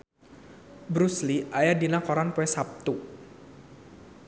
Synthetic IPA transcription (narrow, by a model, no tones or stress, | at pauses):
bɾusliʔajadinakɔɾanpuɛsap̚t̪u